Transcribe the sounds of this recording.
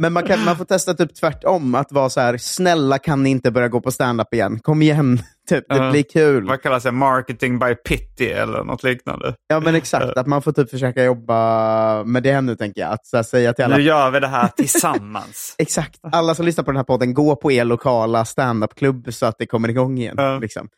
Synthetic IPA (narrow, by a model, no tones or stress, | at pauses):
mɛnmankʰanmanfoːʈt̪ʰɛst̪at̪ʰyːp̚t̪ʰvæʈːɔmat̪vɑːsɔhæːɾsnɛlːakʰanːɪɪnt̪əbœɾjaɡoːpʰɔst̪ænd̪apːɪjɛ̰nːkʰɔmːɪjɛnːt̪ʰyːp̚d̪ɛblɪɾkʰʉ̟ːlvakʰalːasd̪ɛmɑɾkət̪ɪŋbajpʰɪt̪ːɪɛ̰lːə̰ɾnʔɔ̰t̪ʰliːkna̰nd̪ə̰jɑːmɛnɛksa̰k̚t̪at̪manfoːt̪ʰyːpfœʂøːkajɔbːamɛd̪ɛɛnːʉ̟ːt̪ʰɛŋkəjɑ̰ːa̰t̪sæːsɛjːat̪ʰɪlalːajœːvɪd̪ɛɦæːʈʰɪlsamːa̰nsɛksak̚t̪alːasɔmlʏsnaɾpʰɔd̪næːpʰɔd̪ːənɡoːpʰɔeːɭʊkʰɑːlast̪ɛnd̪apːkʰlɵbːsɔat̪̚d̪ɛkʰɔmːəɾɪɡɔŋːɪjɛ̰nlɪksɔ̰m